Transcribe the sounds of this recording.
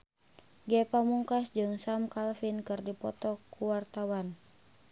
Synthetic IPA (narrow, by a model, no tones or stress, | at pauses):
ɡɛpamuŋkasd͡ʒɨŋsamkalfinkɨrdipɔ̰t̪ɔkʰuwart̪awan